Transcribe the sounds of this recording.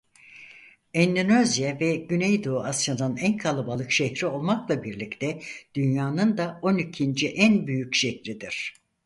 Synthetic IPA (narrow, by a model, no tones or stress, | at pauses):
ɛnd̪ynøzjavɛɟynejd̪oːasananænkʰalˠabalˠɯkʃɛhɾio̞lˠmaklˠabiɾlʲict̪ʰɛd̪̥ynjaːnɯnd̪ao̞nicʰind͡ʒiʔænbyjycʃɛhɾid̪iɾ̥